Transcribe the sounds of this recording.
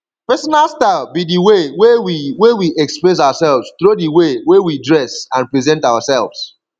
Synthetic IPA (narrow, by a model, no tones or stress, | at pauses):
pɛsɔnalˠstafbidiwewewiwewiʔɛkspɹes̬awasɛlvz̥t̪ɹodiwewewidɹɛsãnpɹizɛ̃ntawasɛlˠvz̥